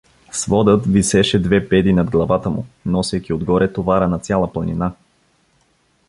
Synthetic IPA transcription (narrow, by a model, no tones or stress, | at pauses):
svɔd̪ət̪visɛʃɛd̪vɛpɛd̪inɐd̪ɡlˠɐvat̪əmṵnɔsəjkiod̪ɡɔɾɛt̪ovaɾənɐt̪sʲjalˠəplˠɐnina